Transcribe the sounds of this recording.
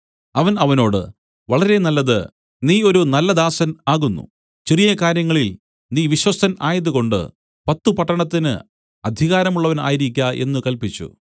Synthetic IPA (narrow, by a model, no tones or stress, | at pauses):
ɐʋɐnɐʋɐno̞ːɽɨ̰ | ʋɐɭɐɾe̞nɐlːɐðɨ̰ | niːo̞ɾunɐlːɐd̪aːsɐnaːɣunːṵ | t͡ɕerijɐkaːɾjɐŋːɐɭil | niːʋiɕwɐst̪ʰɐnaːjɐðuko̞ɳɖɨ̰ | pɐt̪ːupɐʈːɐɳɐt̪ːinɨ̰ | ɐd̪ʱiɣaːɾɐmuɭːɐʋɐna̰ːjiɾik̬ʲːaʔe̞̰nːɨkɐlpit͡ɕːṵ